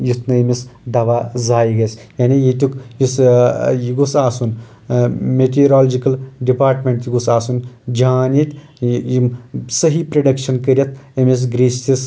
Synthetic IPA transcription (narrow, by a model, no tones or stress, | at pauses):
jit̪nɨimisd̪ɐʋaːzaːjiɡɐsʲjanijit̪ʲukjisjiɡusaːsun | meʈiɾaːld͡ʒikɐlɖipaːɾʈmʲeɳʈ̪jiɡusaːsund͡ʒaːnit̪ʲ | jimsəɦipɾɐɖɐkʃɐnkəɾʲjɐt̪ɐmis̬ɡɾist̪is